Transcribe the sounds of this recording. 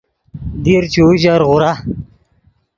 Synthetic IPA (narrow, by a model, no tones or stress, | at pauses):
d̪iɾt͡ɕuːʑaɾʁʊɾa